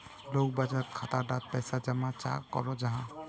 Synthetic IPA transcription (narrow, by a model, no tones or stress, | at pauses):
lok̚bad͡ʒat̪̚kʰat̪aɾɖat̪̚pɛjsad͡ʒamat͡ʃa̰kɔ̰ɾɔd͡ʒaɦã